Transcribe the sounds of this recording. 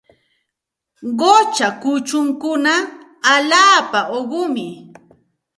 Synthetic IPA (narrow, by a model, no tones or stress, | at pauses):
ɢot͡ʃakʊt͡ʃʊŋkʊnaː | ʎaːpaʔoɢʊmɪ